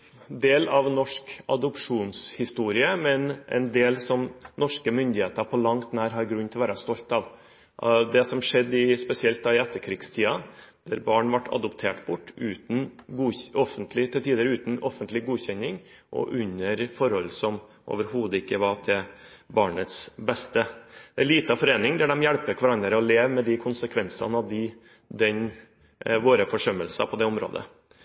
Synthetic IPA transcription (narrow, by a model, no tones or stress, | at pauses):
d̪eːlɑʋnɔʂkɑ̰d̪ʊpʂuːnshɪst̪uːɾɪəmɛnʔɛ̰nd̪eːlsɔmnɔʂkəmʏnd̪ɪheːt̪əɾpʰɔlɑŋt̪næːɾɦɑɾɡɾʉnːt̪ʰɪlɔʋæːɾɑst̪ɔlt̪ɑʋ | d̪ɛsɔmʂɛd̪ːɪspɛsɪɛlt̪̚d̪ɑːɪɛt̪ːəɾkʰɾiːɡst̪ʰiːɑd̪̥æɾbɑːɳʋɑʈːʰɑ̰d̪ʊpt̪ʰeːʈbʊʈːʉːt̪n̩ɡuɔfənt̪ʰlɪt̪ʰɪɛlt̪ʰiːd̪əɾʉːt̪n̩ɔfənt̪lɪɡuːçɛnːɪŋ | ʔɔ̰ʔʉɲːəɾfɔɾhɔlːsɔm | ʔo̰ːʋəɾhuːd̪əɪkːəʋɑt̪ʰɪl | bɑːɳət̪sbɛst̪əd̪̥ɛæɭiːt̪əɑfɔɾeːnɪŋd̪æɖɛmjæɽpəkʰʋɑɾɑnd̪əɾəɔleːʋmɛd̪ɪkʰʊnsəkʰʋɛnsɑ̰nɑʋd̪ɪ | d̪ɛn | ʋoːɾəfɔʂœməlsɑ̰pʰɔd̪ɛʊmɾo̰ːd̪ə̰